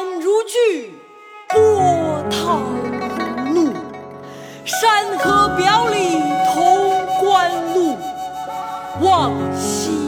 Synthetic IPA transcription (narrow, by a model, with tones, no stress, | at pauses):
ŋɻu˧˥t͡ɕy˥˩ | pwɔ˥˩t̪ʰɑ˧˩ŋ˧ | lu˥˩ | ʂa˥˧nxɤ˥pjɑ˧˥ʊli˨˩ŋt̪ʰʊ˧˥ŋkwa˥nlu˥˩ | wɑ˥˧˩ŋɕi˧